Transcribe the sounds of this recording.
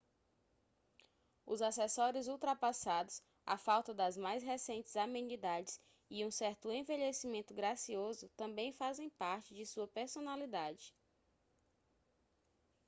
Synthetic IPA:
ʊ̰zasɛsɔɾʊzuwt̪ɾapasad̪ʊs | a̰fawt̪ɐd̪ɐzmajsɦesẽnt͡ʃɪzamẽnid̪ad͡ʒɪs | iũsɛɾt̪ʊẽveʎesimẽnt̪ʊɡɾasiozʊt̪ɐ̃mbẽj̃fazẽj̃paɾt͡ʃɪd͡ʒɪsuɐpeɾsonalid̪ad͡ʒɪ

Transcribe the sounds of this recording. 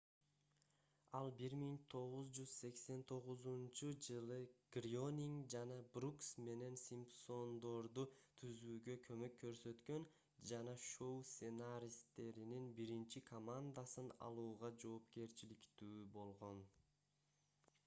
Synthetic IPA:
ɑlˠbiɾmiŋt̪ʰo̞ʁuzd͡ʒyz̥se̞kse̞nt̪ʰo̞ʁuzunt͡ʃud͡ʒɯlˠɯɡ̥rionʲiŋɡd͡ʒɑnɑbruksme̞ne̞nsʲimpso̞nd̪o̞ɾd̪ut̪ʰyzyːɡø̞kʰø̞mø̞kʰːø̞ɾsø̞t̪kø̞n | d͡ʒɑnɑʃowsenaɾʲist̪e̞ɾininbiɾint͡ʃikʰomand̪asɯnɑ̰lˠuːʁɑd͡ʒo̞ːpke̞ɾt͡ʃilikt̪yːbo̞lˠʁo̞n

